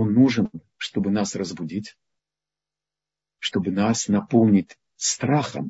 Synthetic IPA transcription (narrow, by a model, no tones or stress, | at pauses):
onːuʐɨn | ʂt̪o̞bɨnasrəzbʊdʲitʲ | ʂt̪o̞bɨnasnɐpo̞lˠnʲɪtʲ | st̪ɾaxə̰m